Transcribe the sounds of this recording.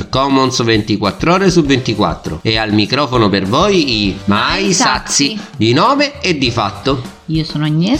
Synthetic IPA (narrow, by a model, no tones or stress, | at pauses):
kɔmonsovent̪ikwat̪ːɾɔːɾesuvːent̪ikwa̰t̪ːɾo̰ealmikɾɔːfonopervoːjimajsat̪sːid̪inɔːveed̪ːifat̪ːo | iːosoːnɲːɛ